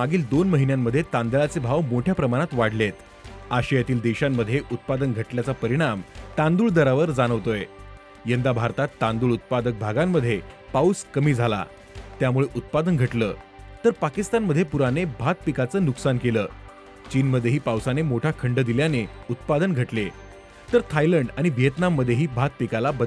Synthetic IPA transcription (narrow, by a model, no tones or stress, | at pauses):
aɡiːld̪onməɦinjamːəd̪ʱjet̪and̪əɭat͡sebʱaʋmoʈʰjapɾəmaɽ̃at̪ʋaɽ̤let̪ | aɕijat̪iːld̪eɕamːəd̪ʱːjeʔut̪̚pad̪ənɡʱəʈljat͡sapəɾiɽ̃amt̪ãnd̪uːɭd̪əɾaʋəɾd͡zaɽ̃əʋt̪oje | jənd̪abʱaɾt̪at̪ːãnd̪uːɭut̪̚pad̪ək̚bʱaɡamːəd̪ʱːjepauskəmiːd͡zʱala̰ | t̪jamuɭeʔut̪̚pad̪ənɡʱəʈləː | t̪əɾpakist̪anməd̪ʱːjepuɾanebʱat̪̚pikat͡səːnuksankeləː | t͡ɕiːnməd̪ʱːjeɦiːpawsanemoʈʰakʰəɳɖəd̪iljaneut̪pad̪ənɡʱəʈle | t̪əɾt̪ʰajləɳɖaɽ̃iʋijət̪namːəd̪ʱjeɦiːbʱat̪̚pikalabəd̪